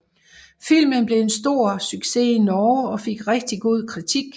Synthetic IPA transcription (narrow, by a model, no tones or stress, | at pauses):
fil̰mənb̥le̝e̝nsd̥o̝ɐ̰syɡ̥se̝inɒːɒ̽fe̝ɡ̥ʁɛɡ̥̚d̥iɡ̥o̝ð̞̰ˠkʰʁit͡sʰiɡ̥